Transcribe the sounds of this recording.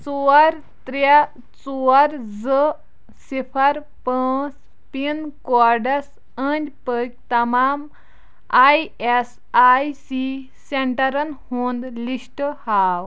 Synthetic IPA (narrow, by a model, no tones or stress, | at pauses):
t͡suɐɾ | t̪ɾa | t͡suɐɾzə | sipʰɐɾ | pəːs | pinkɔɾɖɐs | ənʲd͡ʒʲpək̚ʲt̪ɐmaːm | aːjes | aːjsi | seɳʈɐɾɐnhũnd̪liʃʈhaːw